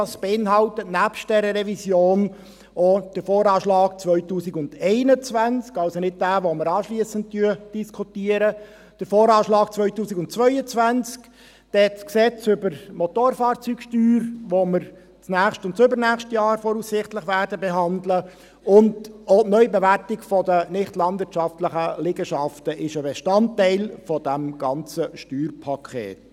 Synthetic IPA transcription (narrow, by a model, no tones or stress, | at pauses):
ɑsb̥eɪnɦɑltətnæpʃt̚d̥ɛɾəɾɛvisjoːn | ʔod̥əɾfoːɾɑːʃlɑːk̚t͡sʋœʏtuːsɪɡʊnd̥ɛɪnət͡sʋænt͡skɑlsonɪt̚d̥æːʋoməɾɑːʃliəsənt̚tyːəd̥iskʰutiːəɾə | d̥əɾfoːɾɑːʃlɑːkt͡sʋœʏtuːsiɡʊnt̚t͡sʋœʏət͡sʋænt͡sk | d̥ɛtsksɛt͡sʏbəɾmɔtoːɾfɑːɾt͡syːkʃtyːɾʋoməɾ | t͡snæːχʃtʊntsʏbəɾnæːχʃtjɑːɾfɔːɾusɪχtləχʋæɾdəbɛɦɑndlə | ʊndonœʏbɛʋærtɪkfɔdənɪχtlɑndvɪtt͡ʃʃɑftləχəlɪɡəʃɑftəʔɪʃəbɛʃtɑntːɛɪlfɔd̥æmɡ̥ɑnt͡səʃtyːrpʰɑkʰχḛːt